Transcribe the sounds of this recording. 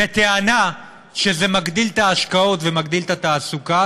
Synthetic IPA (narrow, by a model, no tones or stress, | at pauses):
et̪eana | ʃe̞zemaɡd̪ilt̪aːʃkao̞t̪vemaɡd̪ilt̪at̪aːsuka